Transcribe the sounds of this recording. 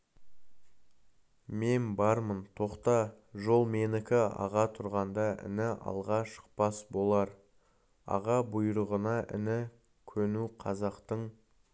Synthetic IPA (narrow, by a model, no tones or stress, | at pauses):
me̞nbɑɾmənt̪ʰo̞qt̪ɑ | ʒo̞lˠme̞nɪkʲɪɑ̰ʁɑt̪ʰʊɾʁɑnd̪ɑɪ̰nɪʔɑ̰lˠʁɑʃə̥q̚pɑsbo̞lˠɑɾ | ɑ̰ʁɑbʊjɾəʁənɑʔɪ̰nɪ | kʲʰɵnuqʰɑzɑqt̪əɴ